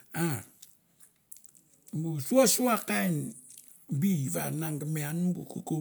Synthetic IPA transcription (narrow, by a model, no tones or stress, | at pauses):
a | busuasuakajn | biβanaŋɡameanubṵkuku